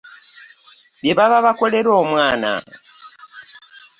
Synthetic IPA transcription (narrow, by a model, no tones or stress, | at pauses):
βjeβaβaβakoleɾoːmwaːna̰